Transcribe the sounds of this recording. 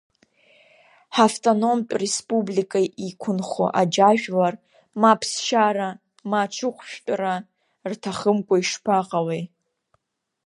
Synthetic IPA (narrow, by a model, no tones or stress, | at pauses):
ħaftʼono̞mt͡pʲʼrespʼublikʼaʔikʷʰʊnχo̰ʔad͡ʒaʒᶣlar | mapʰsʃaɾa | mat͡ʃʰɨqʷʃᶣtʼra | rtʰaχəmkʷʼaiʂpʰaqʼawej